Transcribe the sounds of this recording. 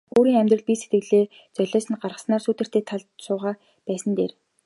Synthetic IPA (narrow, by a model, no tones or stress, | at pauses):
oːɾiːŋæmʲt̪rə̆ɮpise̥t̪ɡɘ̆ɮeː | t͡sœɮʲɔːsɘ̆nɢarʁə̆snaːrsuːt̪ɘ̥̆t̪eːt̪ʰaɮsʊːʁaː | pæːsə̆nt̪ḛːr